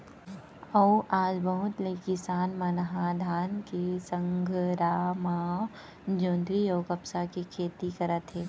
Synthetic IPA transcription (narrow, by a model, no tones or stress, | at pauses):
ɐwʔaːd͡ʒbəɦʊt̪leːkɪsaːnmɐnəɦad̪ʱaːnkesə̃ŋɡʱɾaːmaː | d͡ʒõːnd̪ɾijoːɡɐpsakikʰeːt̪ikɐɾət̪ɦɛː